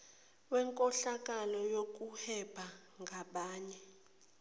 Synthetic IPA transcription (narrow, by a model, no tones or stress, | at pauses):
wɛŋkʼɔɬak̬ʼalɔjok̬ʼuhɛb̥ʱa | ŋɡʱaɓaːɲɛ